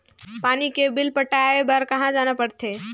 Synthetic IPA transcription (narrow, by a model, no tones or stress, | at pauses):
panikebilpəʈaebəɾkəɦãd͡ʒanəpəɽt̪ʰe